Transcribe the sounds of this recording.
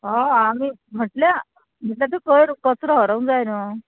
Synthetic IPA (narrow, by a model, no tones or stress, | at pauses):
ɦɔamim̤əʈlja | m̤əʈljat̪̬ekəjɾkət͡sɾɔɦəɾəwnd͡zajnə